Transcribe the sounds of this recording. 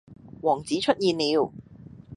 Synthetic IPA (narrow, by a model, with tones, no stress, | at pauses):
wɔː˨˩ŋt͡siː˨˥t͡ʃʰɵ˥t̚jiː˨nːiː˨˧w